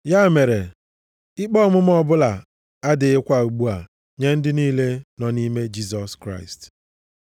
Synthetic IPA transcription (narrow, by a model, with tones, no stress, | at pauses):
ja˦˨me˨ɾe˨ | ɪ˦k͡pɔ˦mʊ˦m̩˦ɔ˦bʊ˦la˨ | a˦dɪ˨ɪ˦kʷa˨u˨ɡ͡bu˦a˨ | ɲe˦n̩˦dɪ˦niː˦le˦nɔ˨ni˦me˦d͡ʒi˦s̬ɔ˨skɾa̰˦˨ɪ̰˨st